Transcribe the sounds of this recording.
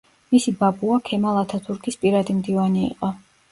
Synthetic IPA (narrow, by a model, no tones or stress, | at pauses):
misibabuakʰɛmalˠat̪ʰat̪ʰuɾkʰispʼiɾad̪imd̪ivaniḭqʼɔ